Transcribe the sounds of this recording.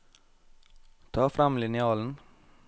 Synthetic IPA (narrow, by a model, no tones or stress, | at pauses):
t̪ʰɑːfɾɑmlɪnɪɑːln̩